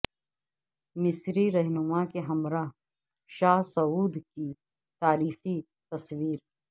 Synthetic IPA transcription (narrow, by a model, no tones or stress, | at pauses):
mɪsɾiɾɐɦnʊmakeɦɐmɾa | ʃaːɦsɐuːd̪ki | t̪aːɾiːxi | t̪ɐsʋiːɾ